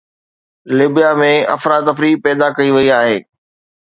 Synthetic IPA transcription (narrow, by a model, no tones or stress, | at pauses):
lɪbijamẽɐ̰fɾaːt̪ɐfɾiːpɛːd̪akɐiʋɐiaːɦeː